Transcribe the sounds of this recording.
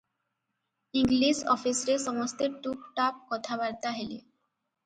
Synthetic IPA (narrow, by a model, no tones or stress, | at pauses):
iŋliʃɔfisɾeʃɔmost̪eʈukʈap̚kɔt̪ʰabaɾt̪aɦelḛ